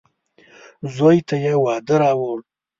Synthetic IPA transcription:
zojt̪ʰajewɑd̪əɾɑwəl

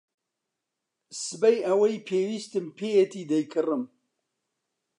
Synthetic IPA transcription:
sɨbɐjɐwɐjpʰeːwiːst̪ɨmpʰejɛt̪ʰiːd̪ɐjkʰɨrɨm

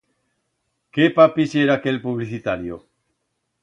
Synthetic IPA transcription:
kepapiseɾakelpuβliθit̪aɾjo̰

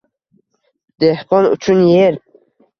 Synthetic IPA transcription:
d̪̥ehqɔnṵt͡ʃʰunjeɾ

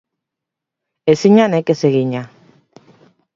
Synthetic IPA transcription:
esiɲanekeseɣiɲa

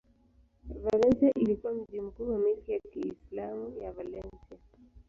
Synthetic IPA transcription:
valɛnsiaʔilikuwam̩ʄim̩kuːwamilkijakiːslamujavalɛnsia

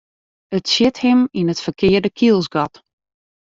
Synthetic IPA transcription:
ətsjɪthɪminətfərkʰɪːərdəkʰilˠsɡɔt

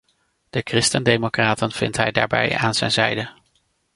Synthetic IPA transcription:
d̥əkrɪstəndejmokraːtənv̥ɪntɦɛjdaːɹbɛ̰jaːnz̥ɛ̰jnzɛjdə

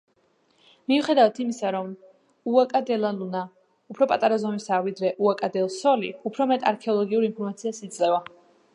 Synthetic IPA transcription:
miuχɛd̪avat̪ʰimisaɾɔm | uakʼad̪ɛlˠaluna | upʰɾɔpʼat̪ʼaɾazɔmisaːvid̪ɾɛʔuakʼad̪ɛlˠsɔlḭupʰɾɔmɛt̪ʼaɾkʰɛɔlˠɔɡiuɾinpʰɔɾmat̪sʰiasid̪zʼlɛva

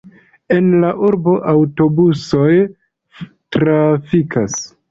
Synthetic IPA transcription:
e̞nlaʔuɾbo̞ʔawto̞busoj | tɾafikʰas

